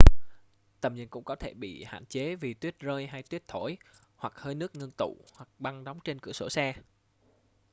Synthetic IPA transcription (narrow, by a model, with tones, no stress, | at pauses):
t̪ə˨˩mɲə̰˧˨nkʊ̰˧˥ŋ͡mkɔ˨˦t̪ʰe˧˩ɓḭ˧˨ha̰ː˧˨nt͡ɕe˨˦vi˨˩t̪wi˦˥ət̚zəː˧jɦa˧jt̪wi˦˥ət̚t̪ʰo˧˩j | hwa˨˩k̚həː˧jnɨ˦˥ək̚ŋə˧nt̪ṵ˧˨hwa˨˩k̚ɓa˧ŋɗɔ˨˦wŋ͡mt͡ɕe˧nkɨ̰˧˩əso˧˩sɛː˧